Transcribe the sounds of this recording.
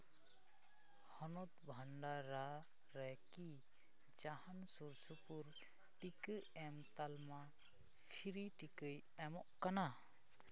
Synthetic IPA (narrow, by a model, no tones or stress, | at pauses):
hɔnɔt̪bʱaɳɖaɾa | ɾɛki | d͡ʒahansuɾsupuɾ | ʈikɯɛmt̪alma | kʰiɾiʈikɯj | ɛmɔʔkana